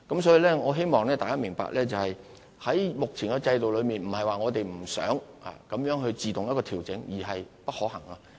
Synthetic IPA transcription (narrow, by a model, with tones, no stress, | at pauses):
kɐ˨˥msɔː˨˥ji˨˧lɛː˥ŋɔː˨˧ɦe˥jmɔː˨ŋlɛː˥t̪aː˨kaː˥mɪ˨˩ŋpa̰ː˨k̚lɛː˥t͡sɐ˨whɐ˨j | hɐ˨˥jmʊ˨k̚t͡sʰɪ˨˩ŋkɛ˧t͡sɐ˧jt̪o˨wlɵ˨˧ɥmiː˨nm̩˨˩hɐ˨jwaː˨ŋɔː˨˧t̪e˨jm̩˨˩sœ̰ː˨˥ŋ | a̰ː˨kɐ˨˧˥mjœː˨˥ŋɦɵ˧ɥt͡siː˨t̪ʊ˨ŋjɐ˥kːɔː˧t̪ʰiː˨˩wt͡sɪ˨˥ŋjiː˨˩ɦɐ˨jpɐ˥t̚hɔː˨˥hɐ˨˩ŋɐ˧